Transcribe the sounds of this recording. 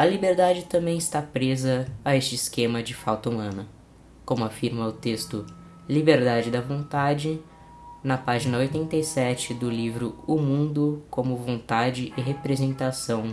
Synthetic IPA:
ɐlibeɾd̪ad͡ʒɪt̪ɐ̃mbẽj̃ɪst̪apɾezɐːest͡ʃɪːskẽmɐd͡ʒɪfawt̪ɐumɐ̃nɐ | kõmʊafiɾmɐʊt̪est̪ʊ | libeɾd̪ad͡ʒɪd̪ɐvõnt̪ad͡ʒɪ | nɐpaʒinɐojt̪ẽnt̪ɐjsɛt͡ʃɪd̪ʊlivɾʊʊmũnd̪ʊkõmʊvõnt̪ad͡ʒɪʔɪɦepɾezẽnt̪asɐ̃w̃

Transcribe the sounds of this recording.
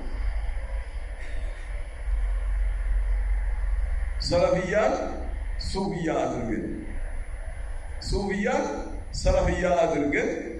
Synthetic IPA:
sɐlɐfɪjːaːn | suːfɪjːaːd̪ɪɾɡɛ̰n | suːbɪjːaːnsɐlɐfɪjːaːʔad̪ɪɾɡɛn

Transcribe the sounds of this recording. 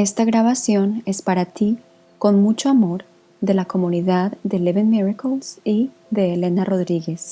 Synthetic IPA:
e̞st̪aɣɾaβasjo̞ne̞spaɾat̪i | ko̞nmut͡ʃoamo̞ɾ | ðe̞lako̞mũniðaðːe̞leβenmiɹakolsi | ðe̞ːle̞naro̞ðɾiɣe̞s

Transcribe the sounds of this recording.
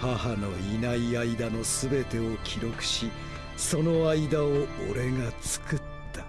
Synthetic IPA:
hahano̞inaiaid̪ano̞sɨbe̞t̪e̞o̞kʲʰiɾo̞kɯ̟̥ɕi | so̞no̞aid̪aoo̰ɾe̞ŋat͡sɨ̥kɯ̟tt̪ːḁ

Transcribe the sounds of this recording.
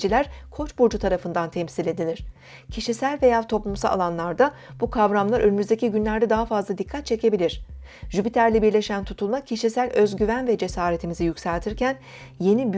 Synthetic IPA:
d͡ʒilʲæɾ̥kʰo̞t͡ʃbuɾd͡ʒut̪ʰaɾafɯnd̪ant̪ʰɛmsilʲe̞d̪ilʲiɾ̥ | cʰiʃisælʲve̞jaːt̪ʰo̞plˠumsalˠa̰lˠanlˠaɾd̪abukʰavɾamlˠaɾʔø̞nymyzd̪e̞cʰiɟynlʲæɾd̪ɛd̪aɦafazlˠad̪ikʰːat̪̚t͡ʃʰe̞cʰe̞bilʲiɾ̝̥ | ʒypit̪ʰæɾlʲibiɾlʲe̞ʃænt̪ʰut̪ʰulˠmacʰiʃisælʲø̞zɟyvænvɛd͡ʒe̞saːɾet̪ʰimizijycsælʲt̪ʰiɾcʰæn | je̞nib

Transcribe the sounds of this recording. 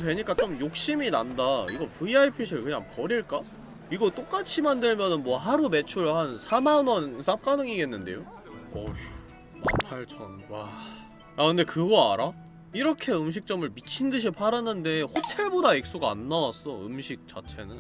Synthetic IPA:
twe̞ɲik͈at͡ɕomjok̚ɕ͈iminandaiɡʌpuiaipʰiɕʰiɯɭkɯɲaŋpʌɾiɭk͈a | iɡʌt͈ok͈at͡ɕʰimandɯɭmjʌnɯnmwʌɦaɾume̞t͡ɕʰuɭhansʰamanʌnsʰap̚k͈anɯŋiɡe̞nːɯnde̞̰jo | ʌ | na̰pʰaɭt͡ɕʰʌnwa | akɯnde̞kɯɡʌa̰ɾa | iɾʌkʰe̞ɯmɕ̬ʰik̚t͡ɕ͈ʌmɯɭmit͡ɕʰindɯɕ̬ʰipʰaɾanːɯnde̞hotʰe̞ɭbodaek̚s͈uɡaːnːawas͈ʌɯmɕʰik̚t͡ɕ͈a̰t͡ɕʰe̞nɯn

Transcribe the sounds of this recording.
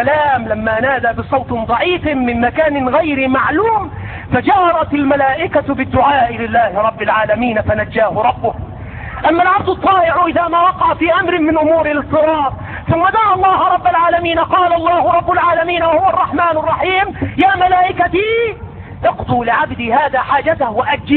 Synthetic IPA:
laːmlamːaːnaːd̪aːbɪsˤɑwt̪d̪ˤɑʕiːfmɪnmakaːnɪnɣajɾɪmaʕluːm | fad͡ʒahɾˤɑt̪almalaːʔɪkabɪd̪ːʊʕaːʔɪlɪlːaːhɪɾˤɑbːɪlʕaːlamiːnfanad͡ʒːaːhʊɾˤɑbːʊh | ʔamːalʕab̚d̪ʊt̪ˤːɑːʔɪʕʔɪðaːmaːwɑqɑʕafiːʔamɾɪnmɪnʔʊmuːɾɪlɨsˤːɨɾɑːɾ | θʊmːad̪aːʕɑlˤːɑːhɾˤɑbːalʕaːlamiːnqɑːlɑlˤːɑːhʊɾˤɑbːʊlʕaːlamiːnwahʊwɑrˤːɑħmaːnɑrˤːɑħiːmjaːmalaːʔɪkat̪iː | ʔɑqd̪uːlɪʕabd̪iːhaːðaːħaːd͡ʒat̪ahwaʔad̪d͡ʒi

